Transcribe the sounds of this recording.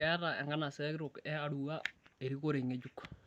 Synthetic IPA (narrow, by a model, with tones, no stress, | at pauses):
ɛ˦ɾa˨ɛ̰˨ŋɡa˦na˨sɛ˦kɾʊ˨kɛ˦a˦ɾua˦e˨ɾi˦ko˦ɾe˨ŋe˦d͡ʒuk